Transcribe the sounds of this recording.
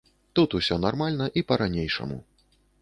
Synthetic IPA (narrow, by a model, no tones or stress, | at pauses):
t̪ut̪usʲɔnarmalʲnɐʔipɐɾanʲejʂɐ̰mṵ